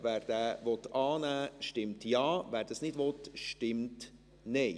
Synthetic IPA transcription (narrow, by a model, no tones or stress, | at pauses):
væːɾd̥̪æːʋɔt̪ɑːnæːʃtɪmtjɑːʋæːɾd̥ɑsnɪdʋɔt̪ʃtɪmt | neɪ